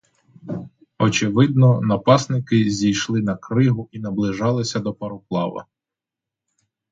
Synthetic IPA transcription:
ɔt͡ʃɪʋɪd̪̚nɔnɐpɑsnɪkɪzʲijʃlˠɪnɐkɾɪɦʊinɐblˠɪʒɑlˠɪsʲɐd̪ɔpɐɾʊplˠɑ̰ʋɐ̰

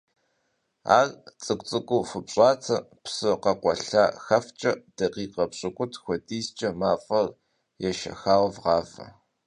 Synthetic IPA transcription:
a̰ːɣt͡sʼɨkʷʼt͡sʼɨkʷʼʊfɨpɕʼɑːt͡sʰɐpsɨqɐqʷɔɬaːxɐft͡ʃʼɐd̥ɐqiːqɐpɕʼɪkʷʼʊtʰxʷɔtʼiːst͡ʃʼɐmaːfʼɐr | jɛʃɐ̰xaːwvʁɑːfɐ̰

